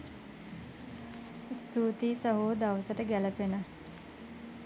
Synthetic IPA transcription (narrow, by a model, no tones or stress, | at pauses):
st̪uːt̪isəɦoːd̪aʋəsəʈəɡæləpenə